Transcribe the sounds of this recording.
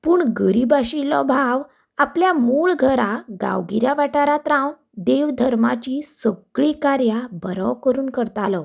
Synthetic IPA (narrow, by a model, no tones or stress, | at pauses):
puːɳɡəɾibaɕilɔ̰bʱaʋ | apljamuːɭɡʱəɾaɡa̰ʋɡiɾjaʋaʈaɾat̪ɾãw | d̪eʋd̪ʱəɾmat͡ɕiːsəɡɭikaɾjabəɾɔwkəɾuːnkəɾt̪alɔ